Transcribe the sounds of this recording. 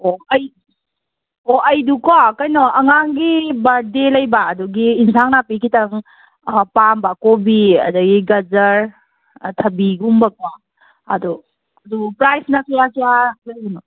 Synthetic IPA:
oɐj | oɐjdukwakajnɔɐŋaŋɡibaɾdelɐjbaːduɡiːnsaŋnapikʰitɐŋ | pambakobiɐ̰duɡiɡɐzɐɾ | tʰɐbiɡumbakwa | ɐ̰du | ɐdupɾajsnakajasijaklaɡunɔ

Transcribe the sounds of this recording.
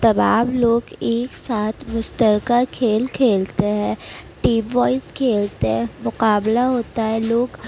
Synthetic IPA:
t̪ɐbaːbloːɡeːksaːt̪ʰmʊst̪əɾkakʰeːlkʰeːlt̪eɦɛ̃ːʈiːmʋɔːɪskʰeːlt̪eɦɛ̃mʊqaːblaɦoːt̪aɦɛ̃loːɡ

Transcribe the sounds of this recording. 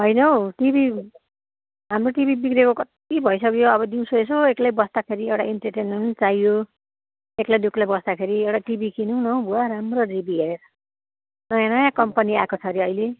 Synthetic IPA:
ɦʌjnʌwʈibi | ɦamroʈibibikɾekokʌt̪ibʱʌjsʰʌkjoʌβʌd̪iw̃soesoeklajbʌsd̪akʰeɾiewʈaiɳʈʌrʈenment͡sajjo | eklajd̪uklajbʌsd̪akʰeɾiewʈaʈibikinũnʌwbuaɾamroribiɦeɾeɾʌ | nʌjãnʌjãkʌmpʌniakot͡sʰʌɾiʌjle

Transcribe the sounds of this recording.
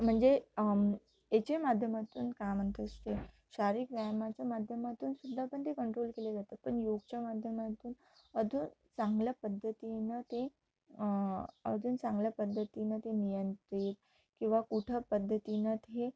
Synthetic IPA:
m̤əɳd͡ze | et͡ɕemad̪ʱjəmat̪ṵːnkamənt̪əst̪e | ɕaɾikʋajmat͡ɕjamad̪ʱjəmat̪uːnsud̪ʱːapəɳt̪ekəɳʈɾoːlkeled͡zat̪ət̪̚pəɳjoɡ̚t͡ɕamad̪ʱjəmat̪uːn | əd̪ʱunsãŋɡləpəd̪ʱːət̪inət̪e | ə̰d̪ʱuːnsãŋɡləpəd̪ʱːət̪inət̪enijənt̪ɾit̪̚ | kĩw̃ʋakuʈʰəpəd̪ʱːət̪inət̪ɦe

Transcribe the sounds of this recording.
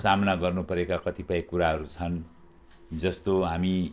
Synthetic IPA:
samnaɡʌrnupʌɾekakʌt̪ipaĩkuɾaɦʌɾut͡sʰʌn | d͡zʌst̪oɦami

